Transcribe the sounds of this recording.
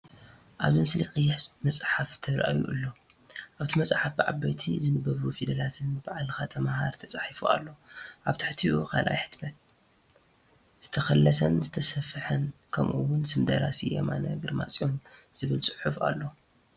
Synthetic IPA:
ʔaβzimɨsliqʼɨjːɪħmɐt͡sʼħaft̪ʰɐɾʔa̰jṵʔɨlːo̞ʔaβt̪ʰimɐt͡sʼħafbɨʕabajt̪ʰizɨnɨbːɐβufid̪ɐlat̪ʰɨnbaʕalxat̪ʰɐmahaɾt̪ʰɐt͡sʼaħifua̰lːo̞ʔaβt̪ʰɨħt̪ʰiʔukʰa̰lʔa̰jħɨ̥d̪mɐt̪̚ | z̥ɨt̪ʰɐxɐlːɐsɐnzɨt̪ʰɐsɐfɨħɐnkʰɐ̰mʔuwːʊnsɨmd̪ɐɾasijoma̰nɐ̰ɡɨɾma̰t͡sʼiomz̥ɨβɨlt͡sʼɨħufa̰lːo̞

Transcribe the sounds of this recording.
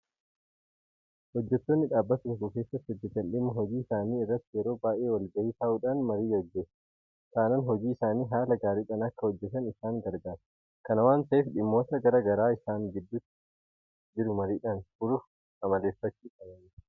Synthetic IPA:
hɔd͡ʒːɛt̪ːo̞ːnːɪᶑaːbːɐt̪ʊŋkʊke̞ːsːɐt̪ːɪɪd̪ːɪt̪ːɐnᶑɪmːʊɦɔd͡ʒiːɪsaːniːɪrːɐt̪ːɪjɛɾo̞ːbaːʔeːwɐlɡɐhiːt̪aːʔuːᶑanmɐɾiːjɐd͡ʒːe | t̪aːnɐnɦɔd͡ʒiːɪsaːniːɦaːlɐɡaːɾiːᶑɐnɐkːɐhɔd͡ʒːɛt̪ɐnɪsaːŋɡɐɾɡaːɾɐ̥ | kɐnɐwaːnt̪ɐʔeːfᶑɪmːo̞ːt̪ɐɡɐɾɐɡɐɾaːɪsaːŋɡɪd̪ːʊt̪ː | d͡ʒɪɾʊmɐɾiːᶑɐnbʊɾʊf | ɐmɐle̞ːfːɐt͡ʃːiːkʼɐnɐnː

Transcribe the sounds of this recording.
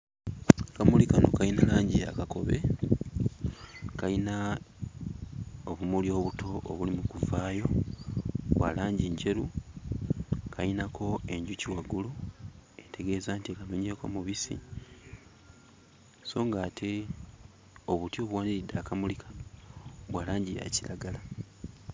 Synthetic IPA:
kamulikano̞̰kainalaːɲɟia̰kako̞̰βe̞̰ | kajina | oβumuljo̞ːβutʰo̞ʔːβulimukuvaːjo̞ | βwa̰laːɲɟiɲce̞ɾu | kʰajinakʰo̞e̞ɲɟuciwaɡulue̞te̞ɡe̞ːzaːntiekanoɲe̞ko̞̰muβisḭ | so̞ːŋɡaːtʰe̞ | o̞βutjoβuwaːniɾidaːkamulikʰḁnoβwaːlaːɲɟiɾa̰cilaɡala

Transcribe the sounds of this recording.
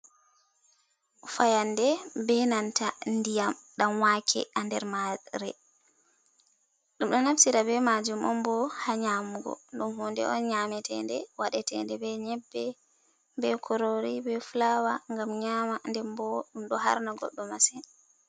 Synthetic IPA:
fajandɛbɛnantandijamɗamwakʰɛ̰andɛɾmaɾɛ | ɗumɗɔnafsiɾabɛmad͡ʒumʔɔmbɔhaɲamuɡɔ̰nɗumhundɛ̰ɔ̰nɲamɛtʰɛndɛwaɗɛtɛ̰ndɛbɛɲɛbːɛ | bɛkʰɔɾoɾibɛfulawaŋɡamɲamandɛmbɔɗumɗɔɦa̰ɾnaɡɔ̰ɗːɔmasɛn

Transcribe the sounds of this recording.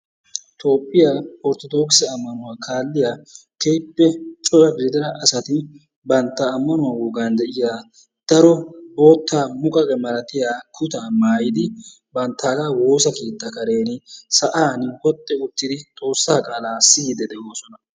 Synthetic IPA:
t̪o̞ːpʼːɪjapɔɾt̪ɔd̪o̞ːksɛɐmːɐnʊwaːkʰaːlːɪja | keːpːɛt͡ʃʼɔlɐbzɪd̪ɪɾɐʔɐsɐt̪ɪ | bɐnt̪ːaːmːɐnʊwawoːɡaːnd̪ɛʔɪjaː | d̪̥ɐɾɔboːt̪ːaːmʊkʼɐkʼɛmɐɾɐt̪ɪjaːkʰʊt̪amaːjɪd̪ɪ | bɐnt̪ːaːɡɐwo̞ːsɐkeːt̪ːɐkɐɾe̞ːnɪsɐʔaːnhɔt̪ʼːɛʊt̪ːɪd̪ɪt̪ʼo̞ːsːaːkʼaːlaːsɪjd̪ɛd̪ɛʔoːsɔnɐ

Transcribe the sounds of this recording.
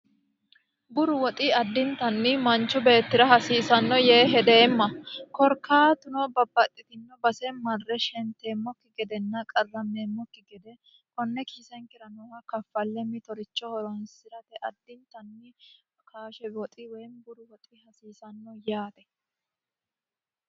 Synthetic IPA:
bʊɾʊwɔt̪ʼɪɐd̪ːɪnt̪ɐnːɪmɐnt͡ʃːʊbe̞ːt̪ːɪɾɐɦɐsiːsɐnːɔjeːɦɛd̪eːmːɐkɔɾkːaːt̪ʊnɔbɐbːɐt̪ʼːɪt̪ɪnːɔbɐsɛmɐrːɛʃɛnt̪ːeːmːɔkːɪɡɛd̪ɛnːɐkʼɐrːɐmːeːmːɔkːɪɡɛd̪ɛ | kɔnːɛkiːsɛŋkɪɾɐnɔwɐkɐfːɐlːɛmɪt̪ɔɾɪt͡ʃːɔhɔɾɔnsɪɾɐt̪ɛʔɐd̪ːɪnt̪ɐnːɪ | kʰaːʃɛɔt̪ʼɪwɛjnbʊɾʊwɔt̪ʼɪhɐsiːsɐnːɔjaːt̪ɛ

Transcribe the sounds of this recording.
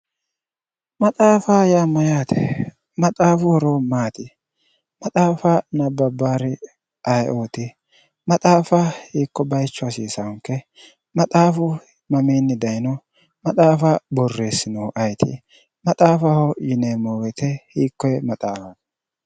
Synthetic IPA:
mɐt̪ʼaːfajamɐjaːt̪ʰɛ̥ | mɐt̪ʼaːfʊhɔɾomaːt̪ɪ | mɐt̪ʼaːfanɐbɐbːaːɾɪ | ʔɐjʔoːt̪ɪ | mɐt̪ʼaːfahiːkːɔbɐjt͡ʃːɔɐsiːsɐwŋkːɛ | mɐt̪ʼaːfʊ | mɐmeːnːɪd̪ɐjnɔ | mɐt̪ʼaːfɐbɔrːe̞ːsːɪnɔwʔɐjt̪ʰɪ̰ | mɐt̪ʼaːfɐhɔjɪneːmoːwɛt̪ɛhiːkːɔjɛmɐt̪ʼaːfɐt̪

